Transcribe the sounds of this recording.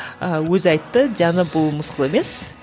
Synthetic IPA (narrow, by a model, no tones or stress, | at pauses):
əwɵzɑjt̪ːəd̪ianəbʊlˠmʊsqəlˠeme̞s